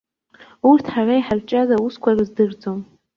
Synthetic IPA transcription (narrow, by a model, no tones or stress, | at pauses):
urtʰħaraiħart͡ʃʼazauskʷʰarɨzdɨrd͡zo̞m